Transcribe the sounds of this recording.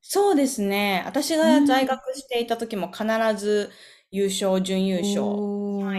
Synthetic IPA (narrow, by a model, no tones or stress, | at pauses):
so̞ːd̪e̞sɨne̞a̰t̪aɕiɡazaiɡakɯ̟ɕi̥t̪e̞it̪at̪o̞kʲimo̞kʰanaɾazɨ | jɯːɕo̞ːʑɨ̃ɰ̃jɯːɕo̞̰ː